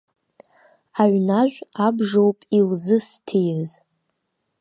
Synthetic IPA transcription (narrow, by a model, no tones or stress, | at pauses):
aɥnaʒᶣʷabʐowpʼilzɨstʰijz